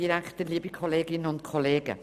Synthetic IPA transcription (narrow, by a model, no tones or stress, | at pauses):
iɾɛktəliːəbikʰɔleːɡɪnənʊntkʰɔleːɡ̥ə̰